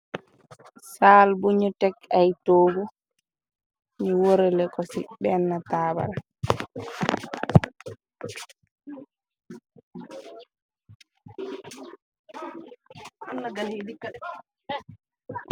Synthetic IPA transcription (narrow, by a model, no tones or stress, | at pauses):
saːlbuɲɔtɛkajtoːɡu | miwoɾɛlɛkɔsḭɓɛnːataːba̰l | anːaɡalhedikːaɗɛ